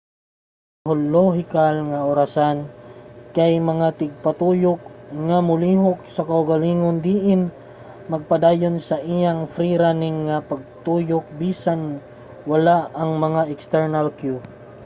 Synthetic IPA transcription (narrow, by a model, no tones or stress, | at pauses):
ɦolːoɦɪkalŋaʔʊɾasankajmɐŋat̪ɪɡ̚pat̪uːjʊk̚ŋamʊliːɦok̚sɐkaʊɡaliːŋond̪iːʔɪn | mɐɡ̚pad̪aːjʊnsɐʔijaŋfɾiɾanɪŋːapɐɡ̚t̪uːjʊk̚biːsan | wɐlaʔaŋmɐŋaʔɛkst̪ɛɹnalkju